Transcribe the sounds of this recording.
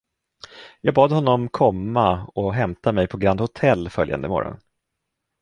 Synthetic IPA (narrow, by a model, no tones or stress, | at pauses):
jɑːɡ̚bɑːd̪hɔnːɔmkʰɔmːaɔɦɛmt̪ʰamɛjpʰɔɡɾand̪hʊt̪ʰɛlːfœlja̰nd̪əmɔ̰ɾɔ̰n